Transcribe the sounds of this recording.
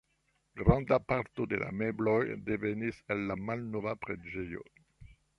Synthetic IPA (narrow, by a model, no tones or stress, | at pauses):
ɡʁɑ̃nd̪apaʁt̪od̪elʔa̰meblɔjd̪evenisɛlːamalnovapʁeʒejo̰